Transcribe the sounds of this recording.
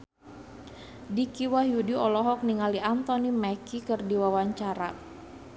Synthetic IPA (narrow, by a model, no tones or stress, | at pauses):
dikiwaɦjudiɔlɔɦɔk̚niŋaliant̪ɔnimɛkikɨrdiwawaɲt͡ʃaɾa